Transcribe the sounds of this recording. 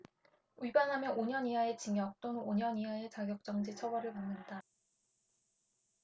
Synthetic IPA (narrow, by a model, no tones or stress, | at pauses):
ibanɦamjʌnoɲʌɲiɦaet͡ɕiŋjʌk̚t͈onɯnoɲʌniɦaet͡ɕaɡjʌk̚t͡ɕ͈ʌŋd͡ʑit͡ɕʰʌwʌɾɯɭmʌnenda